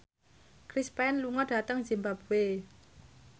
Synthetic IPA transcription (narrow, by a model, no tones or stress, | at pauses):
kɾispɛnluŋɔɖ̥a̤t̪əŋzimbab̥ṳe